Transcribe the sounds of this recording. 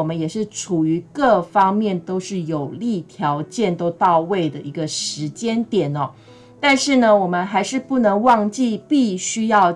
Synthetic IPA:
mə˦njɛ˨˩ʂɻ̩˥˩ʈ͡ʂʰu˨˩y˧˥kɤ˥˩fɑ˥ŋmjɛ˥˩nt̪o˥ʊʂɻ̩˥˩jo˨˩ʊli˥˩t̪ʰjɑ˧˥ʊt͡ɕjɛ˥˨nt̪o˥ʊt̪ɑ˥˧ʊwe˥˩ɪd̪ə˩ʔi˧˥ɡə˧ʂɻ̩˧˥t͡ɕjɛ˥nt̪jɛ˨˩nɐ˩ | t̪a˥˧nʂɻ̩˥˩nə˩wɔ˨˩mə˦nxa˧˥ɪʂɻ̩˥˧pu˥˩nɤ˧˥ŋwɑ˥˧ŋt͡ɕi˥˧pi˥˧ɕy˥jɑ˥˩ʊ

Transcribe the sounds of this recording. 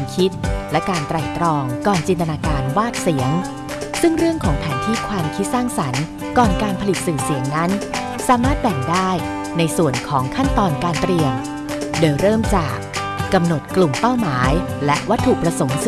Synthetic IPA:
nkʰi˦˥t̪̚lɛ˦˥kaː˧nt̪ɾa˨˩jt̪ɾɔː˧ŋkɔː˨˩nt͡ɕi˧nt̪a˧naː˧kaː˧nwaː˥˩t̪̚si˩˦əŋ | sɯ˥˩ŋɾɯ˥˩əŋkʰɔː˩˦ŋpʰɛː˩˦nt̪ʰiː˥˩kʰwaː˧mkʰi˦˥t̪̚saː˥˩ŋsa˩˦n | kɔː˨˩nkaː˧npʰa˧li˨˩t̪̚sɯː˨˩si˩˦əŋna˦˥n | saː˨˩˦maː˥˩t̪̚bɛ˨˩ŋdaː˥˩j | na˧jsu˨˩ənkʰɔː˩˦ŋkʰa˥˩nt̪ɔː˧nkaː˧nt̪ɾi˧əm | doː˧jɾɤː˥˩mt͡ɕaː˨˩kː | a˧mno˨˩t̪̚klu˨˩mpa˥˩wmaː˩˦j | lɛ˦˥ʔwa˦˥t̪ʰːu˨˩k̚pɾa˧so˩˦ms

